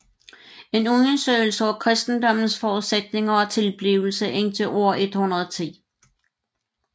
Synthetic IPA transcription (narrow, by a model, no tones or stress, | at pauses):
e̝nunsø̰ɪl̩səɒkʰʁɛsd̥n̩d̥ɒ̽m̰n̩sfɒːuðˠsed̥ne̝ŋɐɒ̽t͡sʰe̝lb̥liʊl̩səʔendʰəʔo̝ɐ̰ʔe̝d̥hunɐðˠt͡sʰḭː